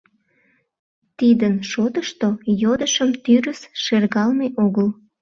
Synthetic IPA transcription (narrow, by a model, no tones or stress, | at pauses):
t̪id̪ənʃot̪əʃt̪ojod̪əʃəmt̪yɾəsʃerɣɑlmeʔoɣəl